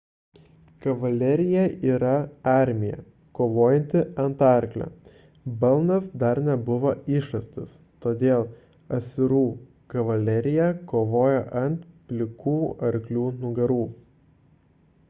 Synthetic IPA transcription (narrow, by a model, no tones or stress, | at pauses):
kɐʋɐlʲɛɾʲɪjɛiːɾɐɑˑɾʲmʲɪjɛ̰ | koːʋoːjɛnʲt̪ʲɪɐnt̪ɑˑɾʲklʲo̰ | bɐlˠnɐsd̪ɐɾnʲɛbʊʋoːɪʃɐsʲt̪ʲɪs | t̪oːd̪ʲeːlˠ | ɐsʲɪɾuː | kɐʋɐlʲɛɾʲɪjɛkoːʋoːjɛʔɐnt̪pʲlʲɪkuːɐɾʲklʲuːnʊɡɐɾuː